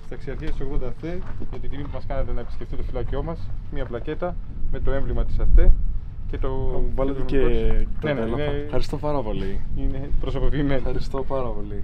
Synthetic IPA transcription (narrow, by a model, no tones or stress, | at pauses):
st̪ɐksiɐɾçiɐt̪isoɣond̪eɐfθeʝɐt̪it̪imipumɐskɐnet̪enɐepiscʲe̞ft̪it̪ofilɐcio̞mɐsmiɐplɐce̞t̪ɐme̞t̪o̞e̞ɱvlimɐt̪i̥sɐθθe | ce̞t̪o̞vɐleenenlinexɐɾist̪opɐɾɐpo̞liinepɾosopopiːmenɐɾist̪opɐɾɐpoli